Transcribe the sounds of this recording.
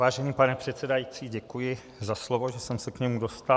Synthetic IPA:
vaːʒɛniːpanɛpr̝̥ɛt̪sɛdajit͡siːɟɛkujɪ | zaslovo̞ʒɛsɛmsɛkɲɛmudo̞st̪a

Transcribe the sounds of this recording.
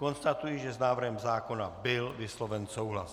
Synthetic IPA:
ko̞nst̪at̪ujiʒɛznaːvr̩ɦɛmzaːko̞nabɪlvɪslovɛnsowɦlas

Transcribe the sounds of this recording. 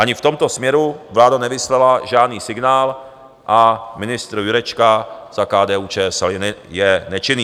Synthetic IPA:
ʔaɲɪft̪o̞mt̪o̞smɲɛɾuvlaːdanɛvɪslɛlaʒaːdniːsɪɡnaːl | ʔamɪnɪst̪ɾjuɾɛt͡ʃkaz̥akaːdɛːuːt͡ʃɛːsɛlnɪjɛnɛt͡ʃɪniː

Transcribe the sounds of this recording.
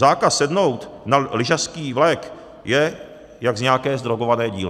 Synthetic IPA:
zaːkasːɛdno̞wt̪nalɪʒaskiːvlɛːk | jɛ | jaɡzɲɛakɛːzd̪ɾoɡovanɛːɟḭːlɪ

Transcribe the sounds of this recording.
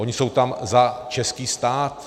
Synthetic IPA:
o̞ɲɪso̞wt̪amzat͡ʃɛskiːst̪aːt̪

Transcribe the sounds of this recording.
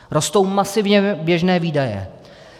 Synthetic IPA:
ɾo̞st̪o̞wmasɪvɲɛbjɛʒnɛːviːdajɛ̰

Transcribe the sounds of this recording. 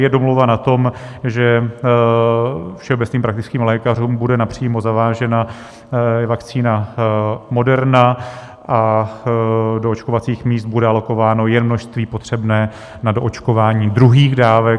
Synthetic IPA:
jɛdo̞mlowvanat̪o̞mʒɛ | fʃɛobɛt͡sniːmpɾakt̪ɪt͡skiːmlɛːkaruːmbudɛnapr̝̥iːmozavaːʒɛna | jɛvakt͡siːna | mo̞dɛɾna | ʔa | doot͡ʃkovat͡siːxmiːst̪̚budɛalo̞ko̞vaːno̞jɛnmno̞ʃst̪viːpo̞t̪r̝̥ɛbnɛː | nadoʔot͡ʃko̞vaːɲiːd̪ɾuɦiːɣdaːvɛ

